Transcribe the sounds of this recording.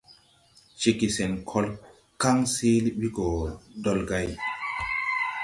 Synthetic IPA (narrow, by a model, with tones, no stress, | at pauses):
t͡ʃe˨ki˨se˨nkʰɔ˦l | ka˦ŋsi˦lwi˦ko˨dɔ˦lɡa˦j